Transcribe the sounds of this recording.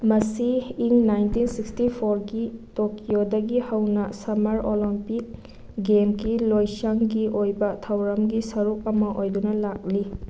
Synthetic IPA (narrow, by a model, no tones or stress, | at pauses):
mɐsiːŋnajntinsikstipʰoɾɡitokiodɐɡihɐwnɐsɐmɐɾolimpik̚ | ɡemɡilojsɐŋɡiʔojbɐtʰɐwɾɐmɡisɐɾuk̚ɐmɐʔojdunɐlak̚li